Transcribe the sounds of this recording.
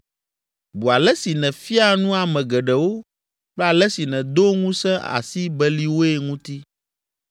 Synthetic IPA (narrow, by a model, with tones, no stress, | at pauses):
bu˨a˨lɛ˦si˨nɛ̃˨fi˦a˦nũ˦a˨mɛ̃˨ɡɛ˨ɖɛ˨wo˦ | k͡plɛ˦a˨lɛ˦si˨nɛ̃˨d̪o˦ŋũ˦sɛ̃˦ʔa̰˨si˦bɛ˦li˦wo˦e˦ŋũ˦t̪i˦